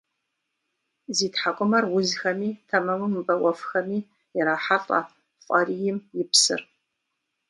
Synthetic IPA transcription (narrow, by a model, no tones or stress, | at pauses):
ziːtħakʷʼʊmɐrwʊzxɐmiːtʰɐmɐmɨmbɐʔʷʼɔfxɐmiː | jɪɾaːħatʼɐ̰ | fʷʼɐrijɪmjɪpʰsɨ̰r